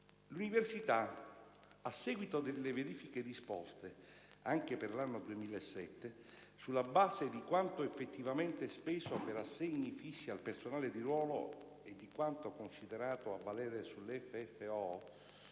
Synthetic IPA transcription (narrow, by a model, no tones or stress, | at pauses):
luniversit̪a | asːɛːɡwit̪od̪elːeveɾiːfiked̪ispɔ̰st̪e | aŋk̟eperlanːod̪uemiːlaesːɛt̪ːe | sulːabaːzed̪ikwant̪oefːet̪ːivament̪espɛːsopeɾasːeɲːifisːialpersonaːled̪iɾwɔːlo | ed̪ːikwant̪okonsid̪eɾaːt̪oavːalɛːɾesulːɛfːeɛfːeɔ